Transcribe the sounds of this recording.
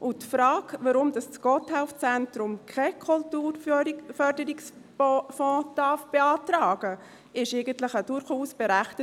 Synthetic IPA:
ʊtfɾɑːkvəɾʊmdɑst͡sɡ̥ɔthaʊft͡sɛntɾʊmkʰɛkʰultuːɾfœɾdəɾiks | fɔ̃ːd̥ɑfb̥eɑːtɾɑːɡ̥ə | ɪʃɛɪɡəntləχəd̥ʊɾχuːsb̥ɛɾæχtə

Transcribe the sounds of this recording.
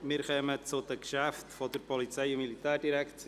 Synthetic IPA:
mɪːɾχœmət͡sʊd̪əkʃæft̪fɔd̪əɾpɔlit͡sɛɪʊmilit̪æːrdiɾækt͡s

